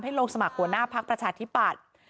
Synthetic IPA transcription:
mɦa˥˩jɾoː˧ŋsa˧ma˨˩k̚hu˧˩ənaː˥˩pʰa˦˥k̚pɾa˧t͡ɕʰaː˧t̪ʰi˦˥pa˨˩t̪̚

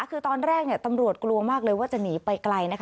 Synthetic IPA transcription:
kʰɯː˧t̪ɔː˧nɾɛː˥˩k̚ni˥˩t̪a˧mɾu˨˩ət̪̚klu˧ɐmaː˥˩k̚lɤː˧jwaː˥˩t͡ɕa˨˩niː˩˦pa˧jkla˧jna˦˥kʰ

